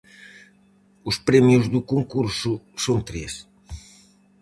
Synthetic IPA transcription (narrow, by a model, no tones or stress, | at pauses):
ʊspɾɛmjuzðukuŋkuɾsʊsõnt̪ɾes